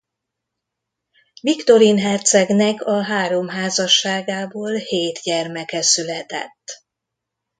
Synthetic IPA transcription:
vikt̪o̞ɾinɦɛrt̪sɛɡnɛkɒɦaːɾo̞mɦaːzɒʃːaːɡaːboːlheːt̪ɟɛrmɛkɛsylɛt̪ɛ̰t̪ː

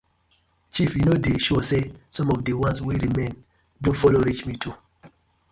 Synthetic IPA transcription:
t͡ʃifjinodeʃusesɔ̃mɔvdewãnswiɾimẽn | dũfɔloɾit͡ʃmitʰu

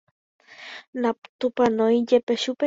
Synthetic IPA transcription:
napt̪upanojjepeʃupe

